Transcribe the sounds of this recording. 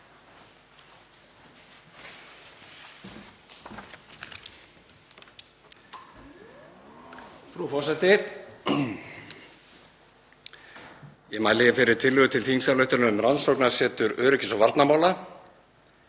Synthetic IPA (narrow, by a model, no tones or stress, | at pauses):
fɾafɔrsɛt̪ɪ | jɛmaːjlɪɣfɪɾɪɾ̥t̪ʰɪlːʏɣʏt̪ʰɪlθʰiŋsaɾlœɥht̪ʏɾnʏʏmɾansowknasɛːt̪ʏɾœːɾʏcɪsawvaɾt̪namaːwla